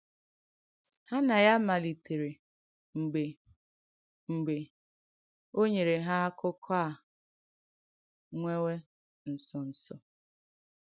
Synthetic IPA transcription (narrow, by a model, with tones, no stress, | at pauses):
ha˦na˨ja˦ma˨li˨te˨ɾe˨ | ŋ͡m̩˨ɡ͡be˨ | ŋ͡m̩˨ɡ͡be˨ | o˦ɲe˨ɾe˨ɦa˦kʰʊ˦kʰa˦a˨ | ŋʷe˦we˦ | n̩˨sɔ˨n̩˨sɔ˨